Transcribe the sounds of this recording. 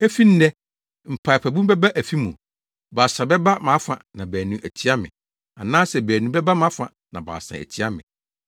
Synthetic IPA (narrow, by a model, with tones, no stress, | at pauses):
ɛ˦fi˦n̩˦nɛ˦ | m̩˨pʰa˨pʰæ˨bũ˦m˦bɛ˦ba˦ʔæ˨fi˦mũ˨ | baː˨sã˨bɛ˦ba˦mã˨˦fã˨nã˨bæː˨nũ˨ʔæ˨tʰi˦a˦mɪ̰̃˨ | a˨nãː˦sɛ˨bæː˨nũ˨˦bɛ˦ba˦mã˨˦fã˨ | nã˨ba̰ː˨sã̰˨æ̰˨tʰi˦a˦mɪ̰̃˨